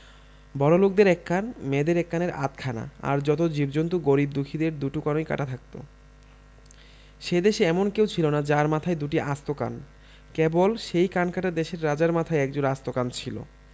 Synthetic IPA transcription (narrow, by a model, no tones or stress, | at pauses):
bɔɾolok̚d̪eɾɛkːanmed̪eɾɛkːaneɾa̰t̪̚kʰana̰a̰ɾd͡ʑɔt̪̬od͡ʑibd͡ʑont̪uɡoɾib̚d̪ukʰid̪eɾd̪uʈukanojka̰ʈat̪ʰak̚t̪o̰ | ʃed̪eʃeɛmonkewt͡ɕʰilonad͡ʑaɾmat̪ʰajd̪uʈiʔast̪oka̰n | kebolʃejkankaʈad̪eʃeɾːad͡ʑaɾmat̪ʰajɛk̚d͡ʑonast̪okant͡ɕʰilo̰